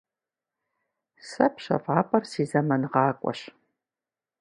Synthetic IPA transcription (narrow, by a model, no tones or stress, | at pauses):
sɐpʰɕɐ̰fɑːpʼɐrsiːzɐmɐnɨʁɑːkʷʼɔ̰ɕ